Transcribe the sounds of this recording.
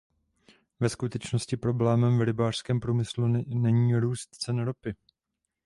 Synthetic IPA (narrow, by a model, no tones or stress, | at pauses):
vɛskut̪ɛt͡ʃnoscɪpɾo̞blɛːmɛmvɾɪbaːr̥skɛːmpɾuːmɪslunɛɲiːɾuːst̪t͡sɛnɾopɪ